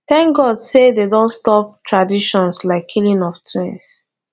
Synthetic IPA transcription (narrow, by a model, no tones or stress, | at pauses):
θɛ̃ŋkɡɔdsededõntstɔp̚tʰɹadiʃɔ̃nslaɪkʰːilĩnɔftʰɛ̃ns